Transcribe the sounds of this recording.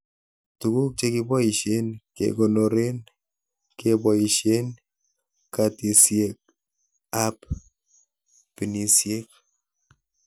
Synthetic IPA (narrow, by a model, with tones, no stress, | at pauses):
tu˨ku˦k̚t͡ʃe˦kibɔ˦i˨ʃe˦nkḛ˨ko˨no˨ɾe˦n | kebɔiʃe˦n | kati˨sjek̚ | ap | pi˨ni˨sje˦k̚